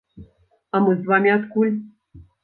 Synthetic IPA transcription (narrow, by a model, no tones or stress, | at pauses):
amɨzvamʲat̪kulʲ